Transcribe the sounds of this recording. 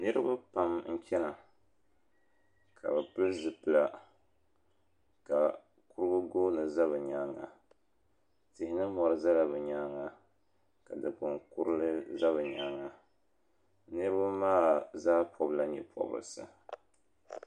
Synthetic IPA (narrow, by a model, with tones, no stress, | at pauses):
nɨ˦ɾɨ˦ba˦pa˨m˦ŋ̩˦kʲɛ˦na˨ | kʰa̰˨bɨ˨pɨ˦lzɨ˨pɨ˨la˨ | ka˨ | ku˦ɾɨ˦bʊ˦ɡoː˦nɨ˨za˦βɨ˨ɲa˦ŋa̰˨ | tɪ˨hɪ˦nɨ˦mɔ˨ɾɨ˦za˦la˨bɨ˨ɲaː˦ŋa˨ | ka˨dɨ˨ɡʊ˨ŋku˦ɾɨ˦lɨ˦za˦βɨ˨ɲaː˦ŋa˨ | nɨ˦ɾɨ˦ba˦maː˦zaː˦pʰɔ˦bɨ˦la˦ɲɛ̰˦pʰɔ̰˨bɨ̰˨lɨ̰˨sɨ̰˨